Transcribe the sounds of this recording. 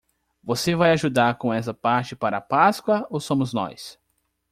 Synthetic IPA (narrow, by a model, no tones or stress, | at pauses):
vosevajaʒud̪aɾkõɛsɐpaɾt͡ʃɪpaɾɐːpaskwɐowsõmʊznɔ̰js